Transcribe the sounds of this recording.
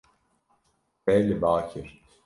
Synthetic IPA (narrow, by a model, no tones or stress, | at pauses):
bɛlʲːibaːcʰiɾ̥